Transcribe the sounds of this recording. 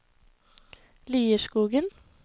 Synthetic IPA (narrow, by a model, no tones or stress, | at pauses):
liːəʃkuːɡən